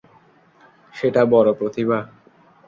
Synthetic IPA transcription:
ʃeʈabɔɾopɾot̪iβa

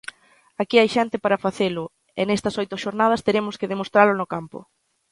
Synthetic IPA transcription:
akiajʃɛnt̪ɪpaɾɐfaθelʊ | enɛst̪ɐsojt̪ʊʃoɾnað̞ɐst̪eɾemʊskɪðemost̪ɾalʊnʊkampʊ̰

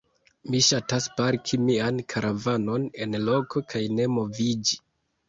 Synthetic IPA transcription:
miʃataspaɾkʰimiankʰaɾavano̞ne̞nlo̞kokʰajne̞mo̞vid͡ʒi

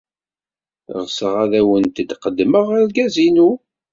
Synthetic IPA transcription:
ʁsəʁæðæwənt̪əd̪qəd̪ːməʁæɾɡæzinu

